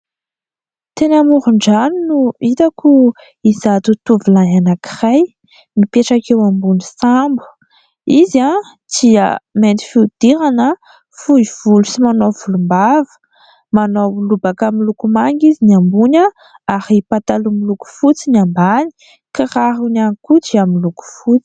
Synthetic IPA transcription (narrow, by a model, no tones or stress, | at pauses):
t̪enamuɾuɳɖ͡ʐaninuit̪akʰu | izat̪ut̪uvilaɦanaki̥raj | mipeʈ͡ʂakewambunisambu̥ | iza | d̪̥iə̰ment̪i̥fiud̪̥iɾanə | fuiv̥ulusimanovulumbavə̥ | manolubakamilukumaŋɡiziniambuna | ahipat̪alumiluku̥fut͡sinambani̥ | kiraɦunanikudiamiluku̥fut͡si̥